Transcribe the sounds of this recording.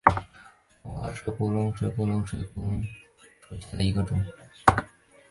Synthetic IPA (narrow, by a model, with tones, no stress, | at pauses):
wɔ˨˩˨ʂə˥˧pu˥˩lʊ˥ŋʂwe˧˥pu˥˧lʊ˧˥ŋʂwe˧˩pu˥˩lʊ˧˥ŋ | ʂwe˨˩ɕɛ˥ə˧i˧˥ɡə˧ʈ͡ʂʊ˥˩ŋ